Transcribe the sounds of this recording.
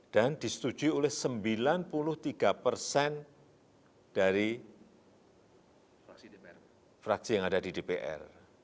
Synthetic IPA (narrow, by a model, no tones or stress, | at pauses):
d̥andisə̥t̪u̥d͡ʒuiolɛhsəmbilanpulʊht̪iɡ̥apərsɛn | d̥aɾi | fɾaksijaŋadadidepeʔɛ̰r